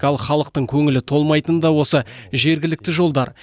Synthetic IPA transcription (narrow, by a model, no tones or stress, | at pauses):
ɑlˠχɑlˠəq̚t̪əɴkʲʰɵŋɪlɪt̪ʰo̞lˠmɑjt̪ənd̪ɑwo̞səʒe̞ɾɡʲɪlɪk̚t̪ɪʒo̞lˠd̪ɑɾ